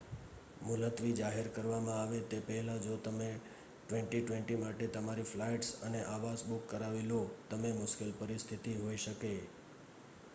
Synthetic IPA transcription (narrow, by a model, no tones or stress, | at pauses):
mʊlət̪ʋid͡ʒaɦeɾkəɾʋamãaʋet̪epəɦɛlãd͡ʒot̪əme | ʈʋɛ̃ɳʈiʈʋẽɳʈimaʈet̪əmaɾiflaiʈsəneʔaʋasbukːəɾaʋelot̪əmemʊʃkelpəɾɪst̪ʰit̪iɦoiʃəke